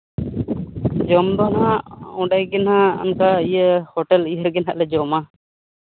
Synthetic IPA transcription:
d͡ʒɔmd̪ɔnɦãuɖajɡinɦaṵnkaijəhɔʈɛliɦəɾɡinɦaʔlɛd͡ʒɔma

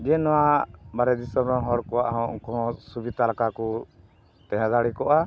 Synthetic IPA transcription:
d͡ʒɛnɔwabaɾɛd̪isɔmɔɦɔɽkɔwaʔɦɔ̰̃ŋkɔɦɔ̃subid̪ʱalakaku | t̪ɛ̃ɦãd̪aɽikɔʔa

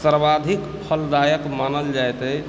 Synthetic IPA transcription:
səɾbad̪ʱik | pʰəld̪ajəkmanəld͡ʒajt̪ɛ

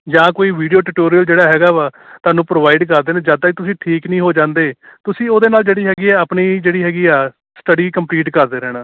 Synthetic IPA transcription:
d͡ʒãːkoːiːʋiːɖijoːʈuʈoːɾijəld͡ʒeːɽaːɦɛːɡaːʋaːt̪ʊaːnũːpɾoːʋaːiɖkəɾd̪eːnẽːd͡ʒaːd̪aːkɪt̪ʊsĩːʈʰiːknĩːɦoːd͡ʒãːnd̪eːt̪ʊsĩːoːd̪eːnaːld͡ʒeːɽiːɦɛːɡiːɛːapniːd͡ʒeːɽiːɦɛːɡiːaː | sʈəɽiːkəmpliːʈkəɾd̪eːɾɛːɽ̃aː

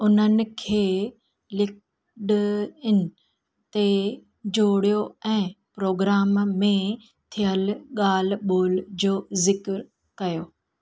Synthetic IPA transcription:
ʊn̤ənɪ̆kʰeː | lɪk | ɗɪn̆ | t̪e | d͡ʑoːɽijoɛ̃ːpɾoːɡɾaːmmẽ | t̪ʰijəlɠaːl̤ɓoːld͡ʑoːzɪkɾ | kɐjoː

